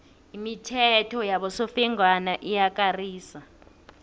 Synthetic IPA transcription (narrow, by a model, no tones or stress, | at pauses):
imitʰɛtʰɔjaɓɔsɔfɛŋanaʔijak̬ʼariːsa